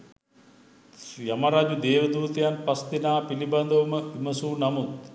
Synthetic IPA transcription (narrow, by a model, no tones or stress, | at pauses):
jamaɾad͡ʒud̪eːʋəd̪uːt̪ejanpast̪inaːpiliband̪ɐʋuməiməsuːnamut̪